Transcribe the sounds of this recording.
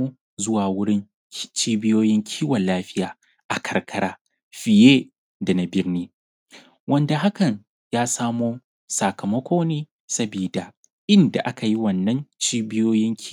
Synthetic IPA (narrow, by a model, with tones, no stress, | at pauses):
u˦ | zʊ˦waː˨wʊ˦ɽɪ˦n | t͡ʃiː˦bɪ˦joː˦jɪ˦ŋkʲʰiː˦wɐ˨nlaː˦ɸɪ˦jaː˨ | ʔa˨kʰɐ˨rkʰɐ˦ɾaː˦ | ɸɪ˨jeː˦ | da˨na˨bɪ˦rniː˦ | wɐ˦nda˨ɦa˦kɐ˨ɲ | jaː˦saː˦moː˦ | sa˨kɐ˨mɐ˦kʷʰoː˦neː˦ | sɐ˦biː˨da˨ | ʔɪ˦nda˨ʔa˦ka˨ji˦wɐ˨nːɐ˦nt͡ʃiː˦bɪ˦joː˦jɪ˦ŋkʲː